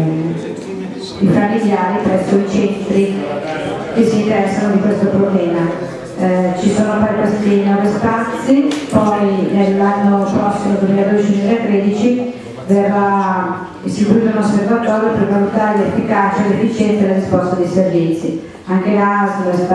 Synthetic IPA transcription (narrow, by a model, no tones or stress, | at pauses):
ifamːiljaːɾipɾɛsːoit͡ʃɛnt̪ɾi | k̟esːint̪eɾɛsːanod̪ikwest̪opɾoblɛːma | t͡ʃisoːnoafaɾikwest̪inwɔːvispat̪sːipɔjnelːanːopɾɔsːimod̪wemilad̪oet͡ʃimilaet̪ɾed̪it͡ʃi | verːa | isikuɾit̪ounoservat̪ɔːɾjopervalut̪aːɾelefːikat͡ʃelefːit͡ʃɛnt̪alaɾispɔst̪ad̪iservit̪sːi | aŋk̟elases